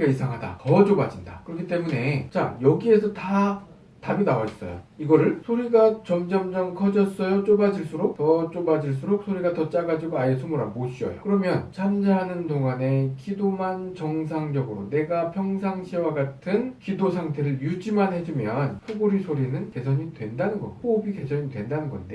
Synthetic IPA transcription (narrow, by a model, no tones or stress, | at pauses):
ɡaisʰaŋɦada̰kʌd͡ʑobad͡ʑinda̰kɯɾʌkʰit͈e̞mune̞t͡ɕajʌɡie̞sʰʌta | tabinawais͈ʌ̰jo̰iɡʌɾɯɭsʰoɾiɡat͡ɕʌmd͡ʑʌmd͡ʑʌŋkʰʌd͡ʑʌs͈ʌjot͡ɕ͈obad͡ʑiɭs͈uɾok̚tʌt͡ɕ͈obad͡ʑiɭs̬͈uɾok̚sʰoɾiɡatʌt͡ɕ͈aɡad͡ʑiɡoajes̬ʰumuɾaboɕ͈ʰiʌ̰jo̰kɯɾʌmjʌnt͡ɕʰamd͡ʑaɦanɯndoŋane̞kʰidomant͡ɕʌŋs̬ʰaŋd͡ʑʌɡɯɾone̞ɡapʰjʌŋsʰaŋɕʰiwaɡatʰɯnkidosʰaŋtʰe̞ɾɯɭjud͡ʑimanɦe̞d͡ʑimjʌnɸuɡoɾisʰoɾinɯnke̞sʰʌɲidwe̞ndanɯnɡʌ̰ɸobike̞sʰʌɲidwe̞ndanɯnɡʌ̰nde